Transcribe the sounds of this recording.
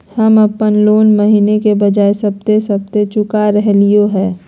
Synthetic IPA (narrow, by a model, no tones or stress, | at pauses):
həmɐpənloːnməɦiːnekebɐd͡ʒaːesɐb̚t̪esɐb̚t̪et͡ʃʊkaɾɛɦlijoɦɛː